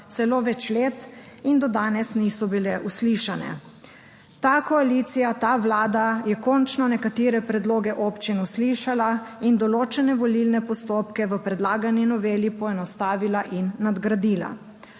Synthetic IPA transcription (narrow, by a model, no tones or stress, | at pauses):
t̪sɛloːʋɛt͡ʃleːt̪ | ind̪ɔd̪aːnɛsnisɔbilɛʔusliʃanɛ̰ | t̪aːkɔaliːt̪sijat̪aːʋlaːd̪ajɛkɔnt͡ʃnanɛkat̪eːɾɛpɾɛd̪loːɡɛʔopt͡ʃinusliːʃala | ind̪ɔloːt͡ʃɛnɛʋɔlilnɛpɔst̪oːpkɛʋəpɾɛd̪laːɡaninɔʋeːlipɔɛnɔst̪aːʋilaʔinːad̪ɡɾad̪iːla̰